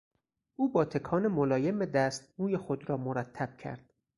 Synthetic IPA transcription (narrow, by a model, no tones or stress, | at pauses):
ʔuːbɒːt̪ʰe̞kʰɒːnemolɒːjemed̪æːst̪muːjexod̪ɾɒːmoɾæt̪ʰːæb̥̚cʰæ̰ɾd̪̥